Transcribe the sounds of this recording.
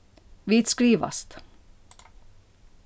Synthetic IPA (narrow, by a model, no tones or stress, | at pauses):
viːt̪skɾiːʋa̰st̪